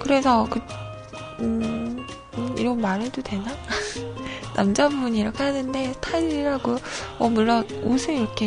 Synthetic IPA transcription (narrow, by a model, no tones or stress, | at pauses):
kɯɾe̞sʰʌkɯ | ɯ | ḭɾʌnmaɾɯɭdodwe̞na | namd͡ʑambuɲiɾʌkʰe̞hanɯnde̞sʰtʰaiʎiɾɦaɡoʌmuɭːʌnosʰɯiɾʌkʰe